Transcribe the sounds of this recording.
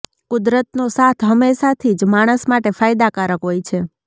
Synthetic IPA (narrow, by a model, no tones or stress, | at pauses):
kʊd̪ɾət̪nosat̪ʰɦəmːeʃat̪ʰid͡ʒmaɽ̃əsmaʈefajd̪akaɾəkɦojt͡ʃʰe